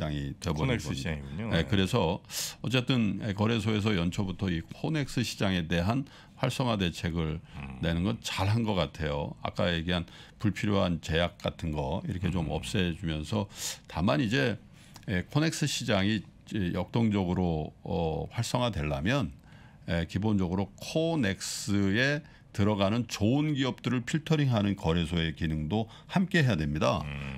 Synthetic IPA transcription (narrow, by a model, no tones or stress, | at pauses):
aŋitwe̞bonɡʌŋiɡuɲjekɯɾe̞sʰʌʌt͡ɕ͈e̞t͈ɯnekʌɾe̞s̬ʰoe̞s̬ʰʌjʌnt͡ɕʰʌbutʰʌikʰone̞k̚s͈ɯɕʰid͡ʑaŋe̞de̞ɦan | ɸwaɭs͈ʌŋɦwade̞t͡ɕʰe̞ɡɯɭne̞nɯnɡʌt̚t͡ɕaɭɦanɡʌk͈atʰe̞jo̰a̰k͈aje̞ɡiɦanpuɭpʰiɾjoɦant͡ɕe̞jak̚k͈atʰɯnɡʌiɾʌkʰe̞t͡ɕomʌp̚s͈ed͡ʑumjʌnsʰʌtamanid͡ʑe̞ | kʰone̞k̚s͈ɯɕʰid͡ʑaŋiejʌk̚t͈oŋd͡ʑʌɡɯɾoʌɸwaɭs͈ʌŋɦadwe̞ɭːamjʌn | ekibond͡ʑʌɡɯɾokʰone̞k̚s͈ɯe̞ | tɯɾʌɡanɯnt͡ɕoɯnɡiʌp̚t͈ɯɾɯɭpʰiɭtʰʌɾiŋɦanɯnkʌɾesʰoe̞kinɯŋdo | hamk͈e̞ɦejadwemɲida̰